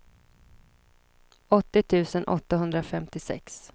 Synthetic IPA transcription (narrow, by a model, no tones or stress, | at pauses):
ɔt̪ːɪt̪ʰʉ̟ːsənʔɔ̰t̪ːaɦɵnd̪ɾafɛmt̪ɪsɛ̰ks